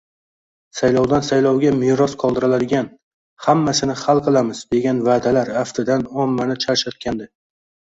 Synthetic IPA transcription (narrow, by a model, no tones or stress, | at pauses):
sajlɒwd̪ansajlˠɒwɡʲamɪɾɒsqʰɒlˠd̪ɪɾalad̪ɪɡʲan | hamːasɪnɪχalˠqʰɨlˠamɪzd̪e̞ɡʲanvaːd̪alaɾaft̪ʰɪd̪anɒmːanɪt͡ʃʰaɾʃat̪̚kʲʰand̪ɪ